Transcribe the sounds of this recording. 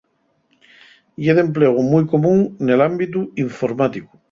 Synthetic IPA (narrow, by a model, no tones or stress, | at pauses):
ieðe̞mpleɣ̞umujkomũŋnelambit̪uiɱfoɾmat̪iku̥